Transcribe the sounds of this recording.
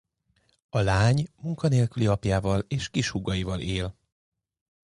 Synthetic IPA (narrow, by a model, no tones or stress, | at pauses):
ɒlaːɲmuŋkɒneːlkyliɒpjaːvɒleːʃkiʃhuɡɒjivɒlʔeːl